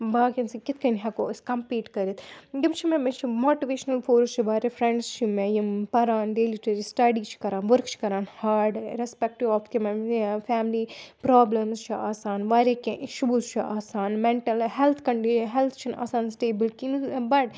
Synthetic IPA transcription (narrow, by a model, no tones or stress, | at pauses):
baːkinsɐkit̪kɐnɦɐkoːiskɐmpiːʈkɐɾit̪ɡɐmt͡ʃʰimemɐt͡ʃʰimoːʈiʋeːʃɐnɐlfoːɾst͡ʃʰiʋaːɾʲefɾɛɳɖst͡ʃʰimejimpɐɾaːnɖeːliʈɐɾisʈɐɖit͡ʃʰi̥kɐɾaːnʋɐɾkt͡ʃʰi̥kɐɾaːnhaːɾɖɾɛspɛk̚ʈiʋɔːft̪ʰimɐmfaːmlipɾaːblɐmst͡ʃʰiaːsaːnʋaːɾekeʃubust͡ʃʰiaːsaːnmɛɳʈɐlɦɛlt̪ʰkɐɳɖiɦɛlt̪ʰt͡ʃʰina̰ːsaːnsʈeːbɐlkinbɐʈ